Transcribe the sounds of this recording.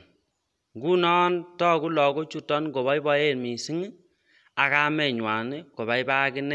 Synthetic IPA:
ŋɡu˦nɔ˦ntɔ˦ku˦lɔ˨ɡo˦t͡ʃu˦tɔ˦nɡo˨βa˦jbɔ˦je˦˨nmi˨si˦ŋ˦ | a˨ka˦mɛ˨ɲwa˨ni˦ko˨ba˨jba˦kɪ˦nɛ˦

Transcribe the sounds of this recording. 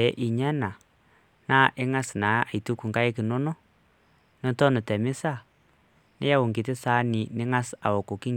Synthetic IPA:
ɛ˨˦ʔi˨ɲɛ˦na˨ | na˦ʔɪ˦ŋa˦sna˨a˨i˨tu˦ku˨ŋka˦ɪ˦kɪ˨no˦nɔ˦ | nɔ˦tɔ˦nɪ˨tɛ˨mɪ˦sa˦˨ | nɪ̰˦ja˦wʊ˨ŋɡi˨tɪ˦sa˦nɪ˨nɪ˦ŋa˦sa̰˨wo˨ko˨ki˦ŋ

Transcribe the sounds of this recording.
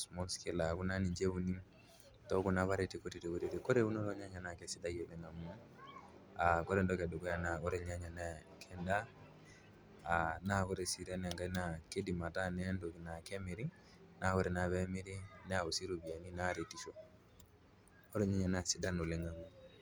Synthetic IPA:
smɔ˦lske˦la˨ku˦na˦ni˨ɲd͡ʒe˦u˨ni˦m | tɔ˦ku˨na˨βa˦ɾe˨ti˨ko˦ti˨ɾe˨ku˦ɾi˨ɾe˨ko˦ɾe˦u˦no˦ɾɔ˦ɲa˦ɲa˨na˨kɛ˨si˦da˦je˨lɛ˦ŋa˨mu˦ | a˨kɔ˦ɾe˨ndɔ˦kɛ˨do˨kɔ˦ja˦na˨o˦ɾe˨ɲa˦ɲa˨na˦ | kʰɛ˨nda˦ | a˨na˦˨ko˦ɾe˨si˨ɾɛ˦nɛ˨ŋɡa˦na˨ke˦di˨ma˨ta˦nɛ˦ndo˨ki˨na˨kɛ˦mi˨ɾi˦ | na˦˨kɔ˦ɾe˨na˨βɛ˦mi˦ɾi˦nɛ˦a˨u˨si˦ɾo˨bi˨a˨ni˦na˦ɾe˨ti˦ʃo˦ | o˦ɾe˦˨ɲa˦ɲa˨na˨si˦da˦no˨le˦ŋa˨mu˦

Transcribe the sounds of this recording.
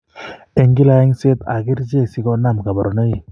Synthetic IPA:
e˨ŋɡi˦la˨ɛ˦ŋse˦t̪a̰˨ɡi˦ɾd͡ʒe˦˨si˦ɡɔ˦na˦˨mka˨bɔ˨ɾɔ˨na˦i˦˨

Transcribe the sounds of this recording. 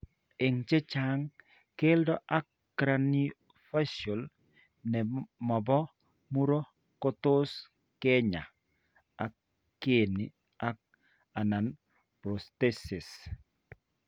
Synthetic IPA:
e˨ŋt͡ʃe˦t͡ʃa˦ŋ | ke˦ldɔ˦ʔa˦kː | ɾa˨ni˦ | fa˦so˨l | nɛ˨ma˨bɔ˦ | mu˦ɾo˦ | ko˦to˦s | ke˦ɲa˨ | a˨kː | e˨ni˨ | a˦k̚ | a˨na˨n | pɾo˨ste˦sɪ˨s

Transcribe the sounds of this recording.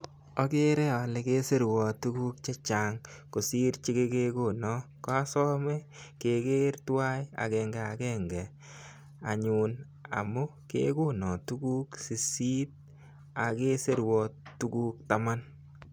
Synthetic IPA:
ɔ˦ke˦ɾe˦a˨lɪ˨ke˦se˦ɾwɔ˨tu˦ku˦k̚t͡ʃe˦t͡ʃaː˨ŋko˨si˦ɾt͡ʃi˦ke˦ke˦ko˦˨nɔ˦ka˦sɔ˦me˦ | ke˨ke˦ɾtwa˦ja̰˨kɛŋɡɛ˨a˨kɛ˦ŋɡɛ˨ | a˨ɲu˨n | a̰˨mu˦ | kḛ˦ku˦nɔ˨tu˦ku˦ksi˨si˦t̚ | a˨ke˦se˦ɾwɔ˨tu˦kuː˦k̚ta˦ma˦n

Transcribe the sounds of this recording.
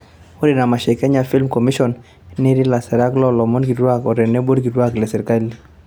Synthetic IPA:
o˦ɾɪ˨na˨ma˨ʃɛ˨kɛ˦ɲa˨fi˦lmkɔ˨mi˦ʃɔ˨n | ne˦ɾi˦la˨sɛ˨ɾa˦klɔ˦lɔ˨mɔ˦nɡi˨dwa˦˨kɔ˨ɾɛ˨ne˦bo˦ɾɡi˨dwa˦klɛ˨sɛ˨ɾka˦li˦

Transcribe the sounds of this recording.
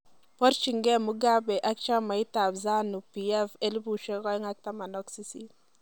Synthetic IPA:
pɔ˦ɾt͡ʃi˨ŋɡɛ˦mu˦ɡa˦bɛ˨ʔa˦k̚t͡ʃa˦ma˨i˦ta˨bza˦nu˨piɛ˦fe˦lbu˨ʃɛ˦kɔ˦jŋa˦k̚ta˦ma˨nɔ˦ksi˦sḭ˦

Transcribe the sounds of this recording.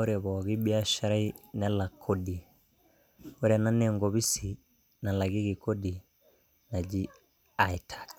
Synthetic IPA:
o˦ɾɛ˨βɔ˨ɣi˦ɓi˦a˦ʃa˦ɾa˦i˦nɛ˦la˨kʰo˦di˨ | o˦ɾa˨na˦nɛŋɡɔ˨βi˦si˨ | na˨la˨ɣi˦ɣi˨ko˦di˨ | na˨d͡ʒi˦ | a˨i˨tʰḁ˨

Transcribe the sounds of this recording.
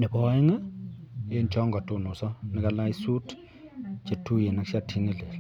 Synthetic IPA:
nɪ˨bɔ˦ɛ˦ŋa˦ | e˦nt͡ʃɔ˦ŋɡɔ˨tʊ˨nʊ˨sɔ˦nɪ˨ka˦la˦i˦su˦t | t͡ʃe˨tu˦je˨na˨kʃa˦tʰi˦ŋe˦˨le˨l

